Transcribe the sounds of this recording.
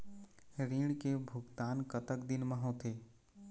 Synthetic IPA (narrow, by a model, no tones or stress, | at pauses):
ɾĩːɽkebʱʊɡt̪aːnkət̪əkd̪ɪnmə̃ɦõt̪ʰeː